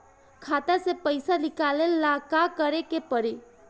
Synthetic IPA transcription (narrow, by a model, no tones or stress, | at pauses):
kʰat̪asepəjsalikalelːakakəɾekepəɾe